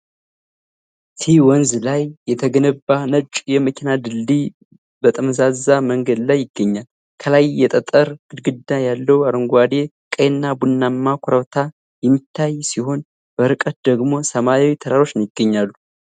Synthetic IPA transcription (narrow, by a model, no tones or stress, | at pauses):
t̪ʰiwɔnzlajːɛt̪ʰəɡənəbːanət͡ʃʼjɛməkʰinad̪ɨlːi | bət̪ʼəməzazaməŋɡəd̪lajːɪɡːəɲːal | kʰəlajːɛt̪ʼət̪ʼəɾɡ̥ɨd̪ɡɨd̪ajalːəwaɾɨŋɡʷad̪e̞ | kʼəjnːabunːamːakʷʰɔɾəβt̪ʰa | jɛmːɨt̪ʰːajsiho̞n | bəɾɨkʼət̪̚d̪əɡmo̞səmaawit̪ʰəɾaɾo̞t͡ʃːnjɪɡ̥ːəɲːalːu